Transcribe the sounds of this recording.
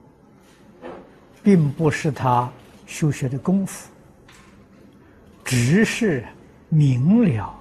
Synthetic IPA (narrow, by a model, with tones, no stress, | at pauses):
pi˥˧ŋpu˧˩ʂɻ̩˥˩t̪ʰa˥ | ɕjo˥ʊɕɥɛ˧˥d̪ə˧kʊ˥ŋfu̥˥˩ | ʈ͡ʂɻ̩˨˥ʂɻ̩˥˩ | mi˧˥ŋljɑ˨˩˦ʊ